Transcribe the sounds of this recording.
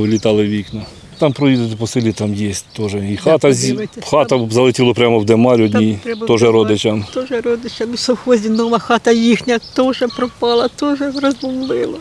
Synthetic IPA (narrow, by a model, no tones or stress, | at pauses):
ʋlʲit̪ɑlˠɪʋʲiknɔ | t̪ɑmpɾɔjid̪et̪epɔsɪlʲit̪ɑmjesʲt̪ɔʒɛixɑt̪ɐxɑt̪ɐzɐlˠɪtʲilˠɔpɾʲamɔwd̪emɑlʲɔd̪ʲnʲijt̪ɔʒɛɾɔd̪ɪt͡ʃɐmt̪ɔʒɛɾɔd̪ɪt͡ʃɐmisɔwxɔzʲinɔmɐxɑt̪ɐjixnʲɐt̪ɔʒɛpɾɔpɑlˠɐt̪ɔʒɛrɐzbɔmlɪlˠɐ